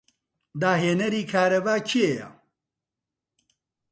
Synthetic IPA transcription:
d̪aːɦeːnɐɾiːkʰaːɾɐbaːt͡ʃʰieja̰

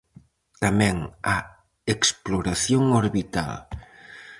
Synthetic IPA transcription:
t̪amɛ̃ŋa | eksploɾaθjoŋoɾβit̪a̰l

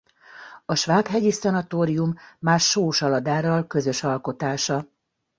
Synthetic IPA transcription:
ɒʃʋaːkɦɛɟisɒnɒt̪oːɾijumːaːrʃoːʃɒlɒd̪aːɾɒlkø̞zø̞ʃɒlko̞t̪aːʃɒ

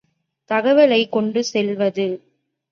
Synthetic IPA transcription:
t̪ɐɣɐʋɐlɐɪkːɔɳɖɯsɛlʋɐðɯ

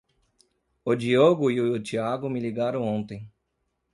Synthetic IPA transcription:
od͡ʒioɡʊiʊt͡ʃiaɡʊmiliɡaɾõw̃õnt̪ẽj̃

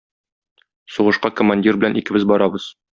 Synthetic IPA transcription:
suʁɤ̆ʃqɑkŏmanʲdʲirbɘ̆lænʔikɘ̆bɘzbɒɾɑbɤz

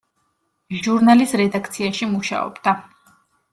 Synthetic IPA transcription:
ʒuɾnalisɾɛd̪ak̚ʰt̪sʰiaʃimuʃa̰ɔ̰bd̪a

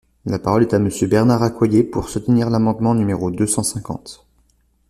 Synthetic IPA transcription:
lapaʁɔlɛt̪aməsjøbɛʁnaʁakwajepuʁsut̪niʁlamɑ̃d̪mɑ̃nymeʁod̪øsɑ̃sɛ̃kɑ̰̃t̪

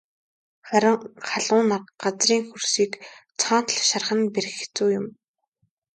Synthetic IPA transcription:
χæɾʲɪ̆ŋχaɮʊːnarɢat͡sriːŋxursiːkt͡sʰɔːn̥t̪̆ɮʃarχə̆nper̆xʰt͡suːjʊm

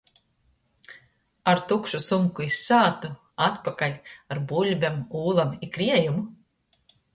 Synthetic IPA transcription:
aɾt̪ukʃusumkuisːaːt̪u | at̪pakalʲaɾbulʲbʲamuːlˠamikɾiɛjumu

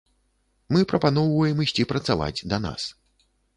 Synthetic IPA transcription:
mɨpɾɐpanɔwvɐjɛmɨsʲt͡sʲipɾɐt̪sava̰d͡zʲd̪ɐna̰s

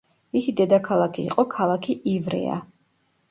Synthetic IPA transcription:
misid̪ɛd̪akʰalˠakʰiḭːqʼɔkʰalˠakʰiʔivɾɛ̰a̰

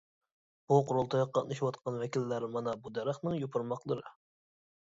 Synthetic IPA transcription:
b̥uqʊɾolˠt̪ʰɑjqːɑnɨʃwɑt̪qʰɑnwɛkʲilːæɾmɑnɑbud̪ɛɾəχnɨŋjopʰʊɾmɑqlˠəɾɨ

